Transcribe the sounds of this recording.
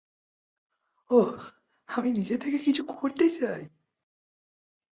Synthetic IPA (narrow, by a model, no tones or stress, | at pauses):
ʌ | haminid͡ʑet̪ʰeɡekid͡ʑikʰooɭt͈ed͡ʑʰiai